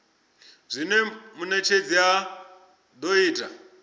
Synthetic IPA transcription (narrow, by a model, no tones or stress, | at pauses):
zʷinemunet͡ʃʰed͡zia | doiːtʼa